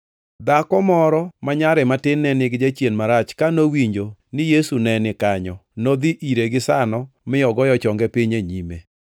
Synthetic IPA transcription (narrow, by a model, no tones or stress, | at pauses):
d̪akɔmɔɾɔmaɲaɾɛmatɪnːɛnɪɡd͡ʒat͡ʃjenmaɾat͡ʃkanowiɲd͡ʒonɪjesunɛnɪkaɲɔnod̪iʔiɾeɡɪsanɔmɪjɔɡɔjɔt͡ʃɔŋɡɛpɪɲeɲime